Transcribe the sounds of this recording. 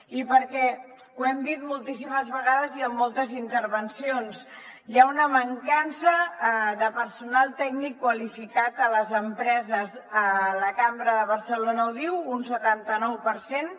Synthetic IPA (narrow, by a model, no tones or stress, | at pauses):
ipəɾkɛ | uɛmd̪it̪mulˠt̪is̬iməzβəɣaðəziəmːolˠt̪əzint̪əɾβənsionzjaunəməŋkansəðəpəɾsunalˠt̪ɛɡnikːwəlifikat̪ələzəmpɾɛzəzələkambɾəðəβ̞ərsəlonəwðiwunsət̪ant̪ənɔwpəɾsen